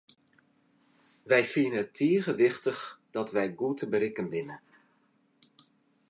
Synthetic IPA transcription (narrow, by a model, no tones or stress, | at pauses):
ʋɛjfiənəətʰːiəɣəʋɪχtəχd̥ɔtʋɛjɡutəbəɾɪkənʋɪnə